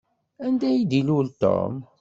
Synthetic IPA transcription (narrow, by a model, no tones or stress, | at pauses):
ænd̪æjid̪ilult̪o̰m